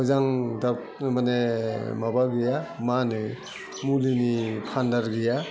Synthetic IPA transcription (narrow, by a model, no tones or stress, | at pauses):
ɯzaŋda | manemabaɡɯjamanɯj | mulinipʰandaɾɡɯja